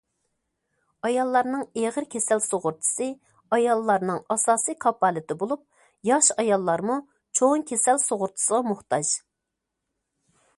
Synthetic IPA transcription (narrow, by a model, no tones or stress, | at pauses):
ɑjɑlˠːɑɾnɨŋeʁəɾkʲʰesælsoʁʊɾt̪ʰɨ̥sɨ | ɑjɑlˠːɑɾnɨŋɑsɑːsijkʰɑpɑːlˠɪt̪ɪbolˠup̚ | jɑʃɑjɑlˠːɑɾmu | t͡ʃʰoŋkʲʰesælsoʁʊɾt̪ʰɨ̥səʁɑmʊχt̪ɑd͡ʒ